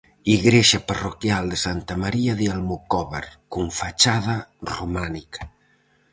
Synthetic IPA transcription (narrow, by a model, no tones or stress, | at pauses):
iɣɾeʃaparokjalˠd̪esant̪amaɾiaðialmukɔβeɾkuɱfat͡ʃaðarumanikḁ